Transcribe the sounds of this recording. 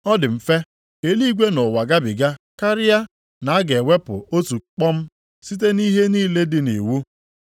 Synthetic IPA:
ɔ˦dɪ˨m̩˨fe˦ | e˨li˦ɡʷe˦nʊ˨wa˨ɡa˦bɪ˨ɡa˦ka˦ɾɪ˦ja˦ | na˨a˦ɡe˨we˦pʊ̰˨o˦tu˨k͡pɔ˦m̩˦ | si˦t̬e˦ni˦ɦe˦niː˦le˦dɪ˦nḛ˨wu˦

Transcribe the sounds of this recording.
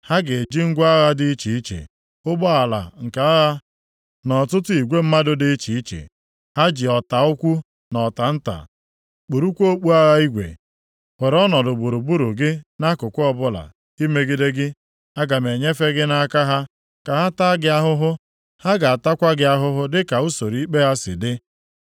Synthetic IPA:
ha˦ɡe˨e˨d͡ʒi˦ŋ̩˦ɡʷa˦ɣa˦dɪ˦i˦t͡ʃi˨i˦t͡ʃḛ˨ | ʊ˦ɡ͡bɔ˦a˨la̰˨ŋ̩˨ka˨a˦ɣa˦ | nɔ˨tʊ˦tʊ˦i˨ɡʷe˦m̩˦ma˦dʊ˦dɪ˦t͡ʃi˨i˦t͡ʃḛ˨ | ha˦d͡ʒɪ˨ɔ˨ta˨ʊ˦kʷu˦ | nɔ˨ta˨n̩˦ta̰˨ | k͡pu˨ɾu˦kʷo˦k͡pu˦a˦ɣa˦i˦ɡʷḛ˨ | we˨ɾɔ˦nɔ˨dʊ˨bu˨ɾu˨bu˦ɾu˨ɡɪ˦na˦kʊ˨kʷʊ˦ɔ˦bʊ˦la̰˨ | i˦me˦ɡɪ˦de˦ɡɪ˦ | a˦ɡa˨me˨ɲe˦fe˦ɡɪ˦na˦ka˦ɦa˦ | ka˨ɦa˦ta˦ɡɪ˦a˦ɦʊ˦ɦʊ˦ | ha˦ɡa˨a˨ta˦kʷa˦ɡɪ˦a˦ɦʊ˦ɦʊ˦dɪ˦ka˨u˦so˨ɾi˦i˦k͡pe˦ɦa˦sɪ̰˨dɪ˦

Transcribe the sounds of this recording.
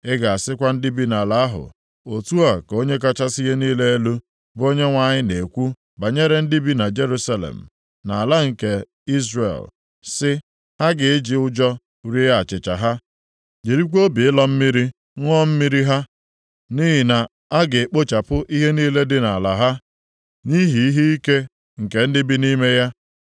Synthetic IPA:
ɪ˦ɡa˨a˨sɪ˦kʷa˦n̩˦di˦bi˦na˨la˨a˦ɦʊ̰˨ | o˨tu˦a˨ko˦ɲe˦k̬a˦t͡ʃa˦si˦ɦe˦niː˦le˦e˦lu˦ | bo˦ɲe˦ŋʷa˦ɲɪ˦ne˨kʷu˦ | ba˨ɲe˦ɾe˦n̩˦di˦bi˦na˨d͡ʒe˦ɾu˦sa˦lḛ˨m̩˨ | na˨a˨la˦ŋ̩˨ke˨ | i˦zɾḛ˨l | sɪ˦ | ha˦ɡɪ˨ɪ˦d͡ʒɪ˨ʊ˦d͡ʒɔ˦ | ɾi˦a˨t͡ʃɪ˨t͡ʃa̰˨ɦa˦ | d͡ʒe˨ɾi˦kʷo˦bi˨ɪ˦lɔ˦m̩˦mi˦ɾi˦ | ŋʷɔ˦m̩˦mi˦ɾi˦ɦa˦ | ni˦ɦi˨na˨ | a˦ɡe˨k͡po˦t͡ʃa˨pʊ˦ʔi˦ɦe˦niː˦le˦dɪ˦na˨la̰˨ɦa˦ | ni˦ɦi˨i˦ɦi˦i˦ke˦ | ŋ̩˨ke˨n̩˦dɪ˦bi˦ni˦me˦ja˦

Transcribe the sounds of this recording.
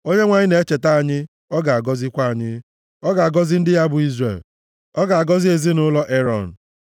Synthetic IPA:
o˦ɲe˦ŋʷa˦ɲɪ˦ne˨e˦t͡ʃe˨ta˦a˨ɲɪ˦ | ɔ˦ɡa˨a˨ɡɔ˦zɪ˦kʷa˦a˨ɲɪ˦ | ɔ˦ɡa˨a˨ɡɔ˦zɪ˦n̩˦dɪ˦ja˦bʊ˨i˦zrḛ˨l | ɔ˦ɡa˨a˨ɡɔ˦zi˦e˨zi˦nʊ˦lɔ˦ʔe˦ɾɔ˨n̩˨

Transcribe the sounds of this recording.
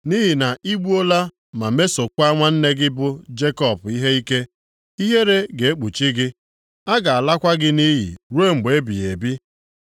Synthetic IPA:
ni˦ɦi˨na˨ʔi˦ɡ͡bu˦o˦la˦ | ma˨me˦so˨kʷa˦ŋʷa˦n̩˦ne˦ɡɪ˦bʊ˦d͡ʒe˦kɔ˦˨bi˦ɦe˦i˦ke˦ | i˦ɦe˦ɾe˦ɡe˨e˦k͡pu˨t͡ʃi˦ɡɪ˦ | a˦ɡa˨a˨la˦kʷa˦ɡɪ˦ni˦ɦḭ˨ɾu˦e˦˨ŋ͡m̩˨ɡ͡be˦bi˨e˨bi˦

